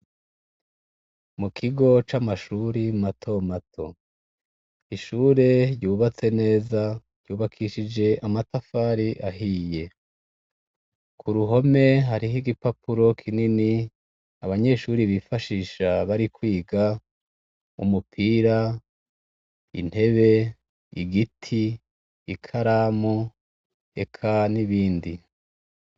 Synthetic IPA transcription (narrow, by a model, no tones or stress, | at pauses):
mukʰiɡo̞t͡ʃamaʃuːɾimatʰo̞matʰo̞ | iʃuːɾe̞ɾjuːβat͡se̞ne̞ːzaɾjuːβakʰiʃid͡ʒe̞ʔamatafaːɾiʔaɦiːje̞ | kʰuɾuɦo̞me̞ɦaɾiɦiɡipapuɾo̞kʰinini | aβaɲe̞ʃuːɾiβifaʃiːʃaβaɾikwiːɡa | ṵmupʰiːɾa | ḭn̥he̞βe̞ | iɡitʰiː | kʰaɾamo | e̞kʰaniβiːndi